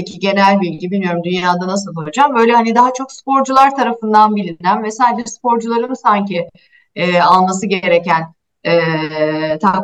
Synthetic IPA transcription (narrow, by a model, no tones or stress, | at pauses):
cʰiɟe̞nælʲbiːlʲɟibilʲmijo̞ɾumd̪ynjaːd̪anas̬ɯlˠojd͡ʒambø̞jlʲɛɦanid̪aɦat͡ʃʰo̞kspo̞ɾd͡ʒulˠaɾt̪ʰaɾafɯnd̪anbilʲind̪ænvɛsænʲbispo̞ɾd͡ʒulˠaɾɯnsaɲci | ɛːalˠmas̬ɯɟeɾecæn | ɛːt̪ʰa